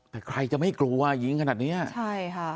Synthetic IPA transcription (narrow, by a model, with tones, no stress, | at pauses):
t̪ɛː˨˩kʰɾa˧jt͡ɕa˧˩ma˥˩jklu˧əʔa˧˩ji˧˦ŋkʰnaː˨˩ni˦˥ət͡ɕʰa˥˩jkʰa˦˧˩